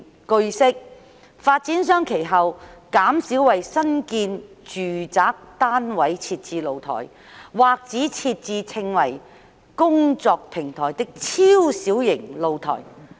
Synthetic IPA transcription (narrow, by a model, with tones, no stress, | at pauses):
kɵ˧ɥsɪ˥k̚ | faː˧t̚t͡siː˨˥nsœː˥ŋkʰe˨˩jɦɐ˨wkaː˨˥msiː˨˥wwɐ˨jsɐ˥nkiː˧n | t͡ʃyː˨˩t͡saː˨˥k̚t̪aː˥nwɐ˨˥jt͡sʰiː˧t̚t͡siː˧lo˨˧wt̪ʰɔ̰ː˨˩j | waː˨k̚t͡siː˨˥t͡sʰiː˧t̚t͡siː˧t͡sʰɪ˧ŋwɐ˨˩j | kʊ˥ŋt͡sɔː˧k̚pʰɪ˨˩ŋt̪ʰɔː˨˩jt̪ɪ˥k̚t͡sʰiː˥wsiː˨˥wjɪ˨˩ŋlo˨˧wt̪ʰɔ̰ː˨˩j